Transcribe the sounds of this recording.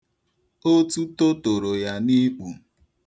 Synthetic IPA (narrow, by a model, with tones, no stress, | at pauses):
o˦tu˦to˦to˨ɾo˨ja˦ni˦k͡pu˨